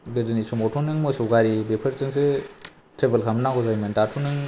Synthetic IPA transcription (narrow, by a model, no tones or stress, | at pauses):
bedɯnisɔmɔtʰɔnɯŋmɯsɔwɡaɾibepʰɐɾsɯŋsɯ | tɾebelkʰamnaɡɔzajmɯntatʰunɯŋ